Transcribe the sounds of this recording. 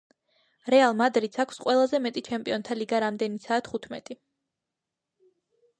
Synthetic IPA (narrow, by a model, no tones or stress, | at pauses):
ɾɛalˠmad̪ɾid̪sʰakʰsqʼwɛlˠazɛmɛt̪ʼit͡ʃʰɛmpʼiɔnt̪ʰaliɡaɾamd̪ɛnit̪sʰaːt̪ʰχut̪ʰmɛ̰t̪ʼi